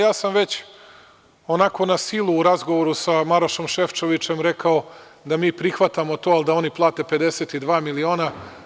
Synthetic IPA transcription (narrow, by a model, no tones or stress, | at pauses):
jaːsamʋe̞t͡ɕ | o̞nako̞nasilˠuːɾazɡo̞ʋoɾusamaɾoʃo̞mʃeft͡ʃo̞ʋit͡ʃe̞mɾe̞kao̞ | d̪amiːpɾixʋat̪amo̞t̪oːalˠd̪ao̞niplˠaːt̪e̞pe̞d̪e̞set̪id̪ʋaːmilio̞ːna